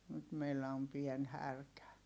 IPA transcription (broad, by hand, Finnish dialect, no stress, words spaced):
nyt meilːæ om pien hærkæ